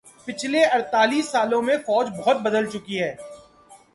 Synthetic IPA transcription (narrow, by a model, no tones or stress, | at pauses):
pɪt͡ʃʰleɐɾt̪aːliːsːaːlõmẽfɔːd͡ʒbɔɦʊt̪̚bɐd̪əlt͡ʃʊkiɦɛː